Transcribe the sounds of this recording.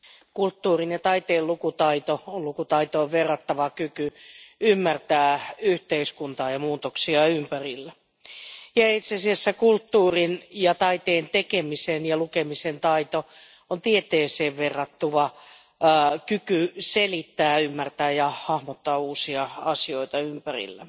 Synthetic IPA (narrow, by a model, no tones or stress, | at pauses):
kult̪ːuːrinjɑt̪ɑit̪eːlukut̪ɑit̪oollukut̪ɑit̪oːʋʋerːɑt̪ːɑʋɑkykyymːært̪æːyht̪eiskunt̪ɑːjɑmuːt̪oksiɑympærilːæ | jɑit̪seɑsiæsːækult̪ːuːrinjɑt̪ɑit̪eːnt̪ekemisenjɑlukemisent̪ɑit̪o | ont̪iet̪eːseːʋʋerːɑt̪ːuʋɑ | kykyselit̪ːæːymːært̪æːjɑhɑhmot̪ːɑːuːsiɑɑsioit̪ɑympærḭlːæ